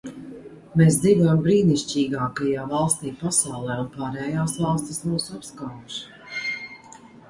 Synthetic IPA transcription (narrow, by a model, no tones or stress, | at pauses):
meːs̬d̪zid̪ɔjmbɾiːniʃt͡ʃiːɡaːkajaːvalˠst̪iːpasawlˠɛːunpaːɾɛːjaːsvɑlˠst̪ʲismuwsapskaːvuʃ